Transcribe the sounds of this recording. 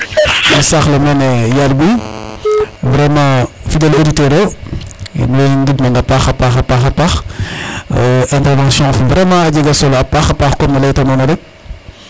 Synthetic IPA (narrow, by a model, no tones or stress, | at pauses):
mɐsaxlɐmɛnɛjalbi | vɾɛmɑ̃fidɛlvoditɛɾo̰ | nɔiŋɡibnɐŋɡɐpaxɐpaxɐpaxɐpax | ɛ̃ntɛɾvɑ̃ːsjɔ̃fuvɾɛmɑ̃ːɐɟiɡɐsɔlɐpːaxɐpaxkɔmnɐlɐjtɐnɔnɐɾɛk̚